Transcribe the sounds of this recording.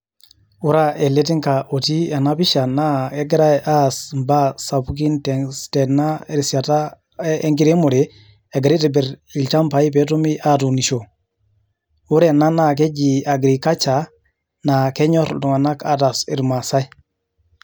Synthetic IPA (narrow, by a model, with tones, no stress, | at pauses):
u˦ɾa˦e˨le˦t̬i˦ŋka˨ʔo˨ti˦a˨na˦pi˦ʃa˨na˦e˦ɡɾa˦ʔa˦smba˦sa˨pu˦k̬i˦nte˨ŋste˨na˦e˦ɾsi˨a˨ta˦ | e˦ŋki˦ɾe˦mu˨ɾe˨ | e˨ɡɾi˦te˨bɛ˨ɾi˨lt͡ʃa˦mpa˨˦i˦pe˨˦t̬u˦mi˦ʔa˦tu˨ni˨ʃo˨ | u˦ɾe˦˨na˦na˦ke˦d͡ʒi˨a˨ɡɾi˨ka˦t͡ʃa˨ | na˨ke˦ɲo˦ɾdu˨ŋa˨na˦ka̰˦ta˨sḭ˨ɾma˨sa˦i˦